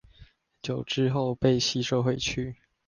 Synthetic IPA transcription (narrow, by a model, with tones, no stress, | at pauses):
t͡ɕjo˨˩ʊʈ͡ʂɻ̩˥xo˥˧ʊpe˥˧ɪɕi˥ʂo˥˧ʊxwe˥˧ɪt͡ɕʰy˥˩